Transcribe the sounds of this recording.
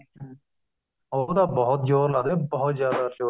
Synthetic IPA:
od̪aːbɔɦʊt̪̚d͡ʒoːɾlaɡ̪ebɔɦʊt̪zjaːd̪at͡ʃoː

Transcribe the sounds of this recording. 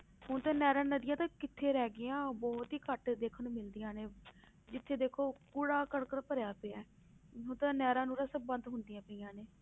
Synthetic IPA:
hʊnt̪ãːnɛːɾãːnəd̪ɪjãːt̪ãːkɪt̪ʰːeːɾɛːɡɪãːbɔːt̪ɦiːkəʈd̪eːkʰənũːmɪld̪ɪjãːneː | d͡ʒɪt̪ʰːeːd̪eːkʰoːkʊɽaːkəɽkəɾpəɾejaːpeːaː | ɦʊnt̪ãːnɛːɾãːnũːɾaːsəbbənd̪ɦʊnd̪ɪjãːpəijãːneː

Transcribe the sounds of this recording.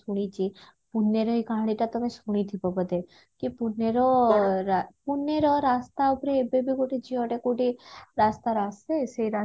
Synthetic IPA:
suɽ̃it͡ʃʰi | punːeɾɔɦikãɦɽ̃iʈat̪əmesuɽ̃it̪ʰipɔbəd̪ʱe | kipuneɾoɾapunːeɾɔɾast̪aupɾeːbebikoʈid͡ʒiɔʈekuʈiɾast̪aɾaseseiɾa

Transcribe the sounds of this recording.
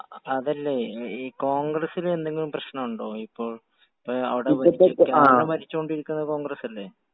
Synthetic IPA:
ɐðɐlːe̞iːko̞ːŋɡrɐsilume̞nd̪e̞ŋːɡilumprɐɕɳɐmuɳɖo̞ːipːo̞ːɭ | ɐ̰ʋiɽeʋɐikːaɳːɐpɐɾit͡ɕːukoɳɖiɾikʲːunːɐko̞ːŋɡɾɐsɐlːe̞

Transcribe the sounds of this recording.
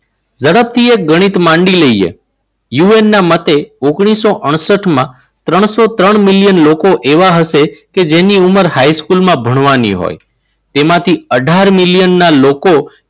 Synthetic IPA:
zəɽəp̚t̪ʰiek̚ɡəɽ̃it̪mãɳɖiləiḛ | juenːamət̪eoɡɽ̃isoʔəɳ̃səʈmã | t̪ɾəɳ̃sot̪ɾəɳmilijənlokoʔeʋaɦəʃeked͡ʒeniuməɾhajskulmãbʱəɽ̃ʋanḭɦo̰j | t̪emãt̪ʰiəɖʱaɾmiljənːaloko

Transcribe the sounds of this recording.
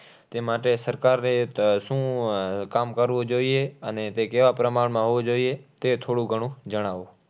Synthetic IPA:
t̪eːmaːʈesəɾkaːɾneʃũːkaːmkəɾʋod͡ʒoːieənet̪ekeʋapɾəmaːɽmãɦoʋod͡ʒoːiet̪et̪ʰoːɽũɡʱəɽ̃ũd͡ʒəɽ̃aːʋoː

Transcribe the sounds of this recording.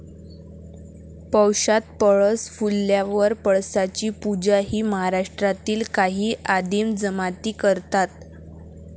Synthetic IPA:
pəwɕat̪̚pəɭəsfulːjaʋəɾpəɭsat͡ɕiːpud͡ʑaɦiːməɦaɾaʂʈɾat̪iːlkaɦiːʔad̪imd͡zəmat̪iːkəɾt̪at̪

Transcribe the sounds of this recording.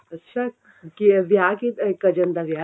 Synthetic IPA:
ɐtːʃʰa | kiʋjakikɐd͡ʒənd̪aʋja

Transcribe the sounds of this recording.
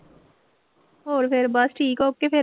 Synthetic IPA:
oːɾpʰɪɾbɐsʈʰiːkoːp̚kːepʰɪ

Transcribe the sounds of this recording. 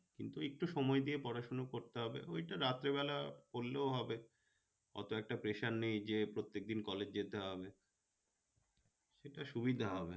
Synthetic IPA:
kint̪uek̚ʈuʃɔmɔed̪iepɔɾaʃonokoɾt̪eɦɔbḛojʈaɾat̪ːɾeβɛlakoɾːeoɦɔbe | ɡɔ̰t̪oɛk̚ʈapɾeʃaɾnijd͡ʑepɾot̪ːek̚d̪inkɔled͡ʑd͡ʑet̪eɦɔbe | ʃeʈaʃubid̪ʱaɦɔbe

